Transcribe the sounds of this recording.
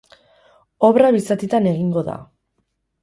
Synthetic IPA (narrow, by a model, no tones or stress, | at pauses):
o̞βɾaβisat̪it̪ane̞ɣiŋɡo̞ða̰